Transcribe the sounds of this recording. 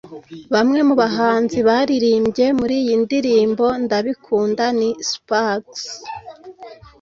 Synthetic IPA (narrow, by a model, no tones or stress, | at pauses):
βamŋe̞muβaɦaːnziβaːɾiɾiːmbɟe̞muɾiːjindiɾiːmbo̞ndaβikʰuːndanispaɡs